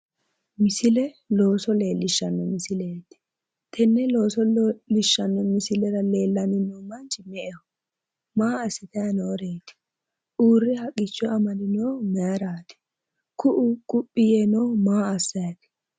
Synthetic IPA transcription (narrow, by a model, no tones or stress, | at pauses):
mɪsɪlɛ | lo̞ːsɔle̞ːlːɪʃːɐnːɔmɪsɪleːt̪ɪ̥ | t̪ʰɛnːɛlo̞ːsɔlɪʃːɐnːɔmɪsɪlɛɾɐle̞ːlːɐnɪnoːmɐnt͡ʃɪmɛʔɛhɔ | maːɐsːɪt̪ɐjɐnoːɾeːt̪ɪ̥ | ʔuːrːɪhɐkʼːɪt͡ʃːɔɐmɐlɪnoːmɛɐɾaːt̪ɪ̥ | kʊʔʊkʼʊpʼːɪjɛnoːmaːɐsːɐjɐt̪ɪ̥